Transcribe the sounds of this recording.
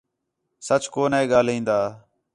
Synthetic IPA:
sət͡ʃkoːnẽːɠaːlĩːnd̪aː

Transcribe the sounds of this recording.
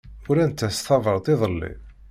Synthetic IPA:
ʊɾænt̪ːæst̪ˤɑvəɾˤt̪ˤɪðˤəlːḭ

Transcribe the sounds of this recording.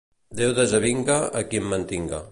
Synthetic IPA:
d̪ewðəzəβiŋɡaːkimːənt̪iŋɡa̰

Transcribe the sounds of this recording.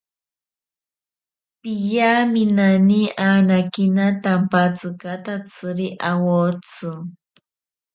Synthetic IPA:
pijaminaniaːnakinat̪ampat͡sɨkat̪at͡sʰɨɾiʔawot͡sʊ

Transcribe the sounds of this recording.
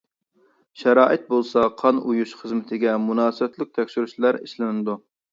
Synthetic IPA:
ʃɛɾɑːʔɪt̪̚bolˠsɑqʰɑnujuʃχəzmɪt̪ʰɪɡʲɛmunɑːsɨbɛt̪lɪk̚ʲt̪ʰɛkʲʃyɾyʃlˠɑɾḭʃlɪnɨd̪u

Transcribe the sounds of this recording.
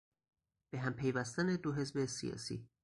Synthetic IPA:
b̥eɦæmpʰejvæst̪æned̪oɦe̞zbesijɒ̰ːsḭː

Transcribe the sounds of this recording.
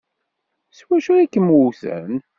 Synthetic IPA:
swæʃuækːəmuθə̰n

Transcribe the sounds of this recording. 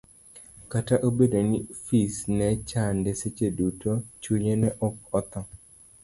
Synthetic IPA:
kataʔobedonifisnɛt͡ʃandeset͡ʃedutot͡ʃuɲenɛʔɔk̚ɔt̪ɔ

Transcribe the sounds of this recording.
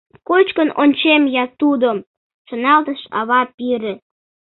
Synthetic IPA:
kot͡ɕkənonʲt͡ɕemjɑt̪ud̪o | ʃənɑlt̪əʃɑβɑpiɾĕ

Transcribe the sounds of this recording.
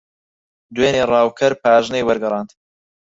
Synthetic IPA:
d̪weːneːrˤɑːwkʰɐɾpʰaːʒnejwɐɾɡɐɾˤɑːnd̪

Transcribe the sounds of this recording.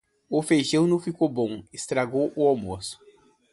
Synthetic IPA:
ʊfejʒɐ̃w̃nɐ̃w̃fikowbõw̃ɪst̪ɾaɡowʔʊawmosʊ̥

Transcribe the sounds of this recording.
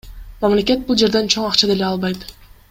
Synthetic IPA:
mamle̞kʲe̞t̪̚bulˠd͡ʒe̞ɾd̪e̞nt͡ʃʰoɴɑqt͡ʃad̪e̞le̞ɑlˠβɑjt̪

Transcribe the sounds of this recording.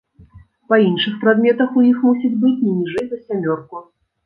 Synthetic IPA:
pɐinʂɨxpɾad̪mʲɛt̪ɐxujixmusʲid͡zʲbɨt͡sʲnʲɛnʲiʐɛjp̪ɐsʲamʲɔrku

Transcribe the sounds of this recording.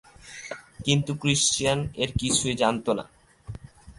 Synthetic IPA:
kint̪ukɾiʃt͡ɕianeɾkit͡ɕʰued͡ʑant̪ona̰

